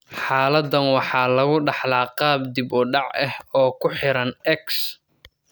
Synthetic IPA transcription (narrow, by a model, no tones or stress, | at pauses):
ħɑːlɐd̪ːɐnwɑħɑːlɐɣʊɖɑħlaːqɑːb̚d̪ɪbʊɖɑʕɛ̰hɔːkʰʊħɪɾɐnɛks